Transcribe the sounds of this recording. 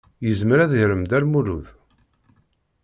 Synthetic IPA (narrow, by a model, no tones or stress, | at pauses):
jəzməɾæðʝɾəmd̪æɾmuɾuð